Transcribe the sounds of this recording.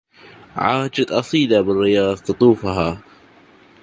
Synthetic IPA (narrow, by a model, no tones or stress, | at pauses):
ʕaːd͡ʒat̪ʔɑsˤiːlabɪrːɪjɑːðˤt̪ɨt̪ˤuːfaɦa